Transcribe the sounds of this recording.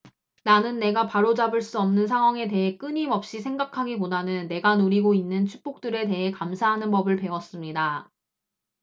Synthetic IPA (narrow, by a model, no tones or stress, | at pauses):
nanɯnːe̞ɡapaɾod͡ʑabɯɭs͈uʌmnɯnsʰaŋɦwaŋe̞te̞ɦe̞k͈ɯɲimʌp̚ɕ͈isʰe̞ŋɡakʰaɡipodanɯnːe̞ɡanoɾiɡoinːɯnt͡ɕʰu̥p͈ok̚t͈ɯɾe̞t̬e̞ɦe̞kamsʰaɦanɯnpʌbɯɭpe̞wʌs͈ɯmɲida